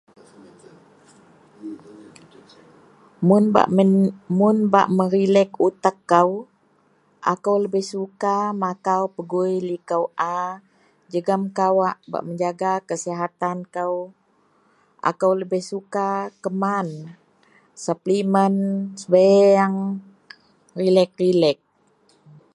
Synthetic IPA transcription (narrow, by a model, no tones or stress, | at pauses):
mʊna̰ʔmʊnba̰ʔməɾilɛkut̪akːəw | ʔa̰kəwləbɪhsukamakawpəɡujlikəwʔa | d͡ʒəɡamkawaʔba̰ʔməɲd͡ʒaɡakəsiɦat̪ankəw | ʔa̰kəwləbɪhsukakəman | saplimənsəbajaŋ | rilɛk̚rilɛk̚